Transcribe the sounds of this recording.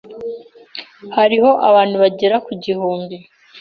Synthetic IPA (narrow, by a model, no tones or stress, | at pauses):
haɾiho̞ʔa̰βaːnhuβaɟeɾakuɟihuːmbi